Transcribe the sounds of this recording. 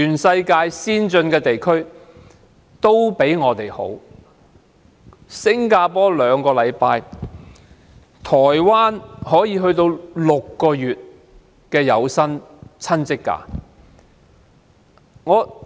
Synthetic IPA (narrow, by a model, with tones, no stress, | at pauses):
t͡ʃyː˨˩nsɐ˧jkaː˧jsiː˥nt͡sɵ˧nkɛː˧t̪e˨jkʰɵ˥ɥ | t̪o˥wpe˨˥jŋɔː˨˧t̪e˨˩jho̰˨˥w | sɪ˥ŋkaː˧pɔː˥lœː˨˧ŋkɔː˧lɐ˨˧jpaː˧j | t̪ʰɔː˨˩jwaː˥nhɔː˨˥jiː˨˧ɦɵ˧ɥt̪o˧wlʊ˨kːɔː˧jyː˨t̚ | kɛː˧jɐ˨˧wsɐ˥nt͡sʰɐ˥nt͡sɪ˥kːa̰ː˧˥ | ŋɔː˨˧